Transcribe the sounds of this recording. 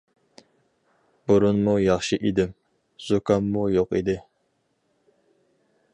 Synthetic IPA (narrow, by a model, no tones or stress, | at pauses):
buɾunmujɑχʃɨʔid̪ɪm | z̥ukʰɑmːujoqid̪ɪ